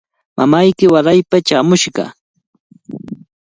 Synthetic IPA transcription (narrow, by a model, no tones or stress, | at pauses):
mʔamajkɪwaɾajpat͡ʃaːmʊʃɢɑ̰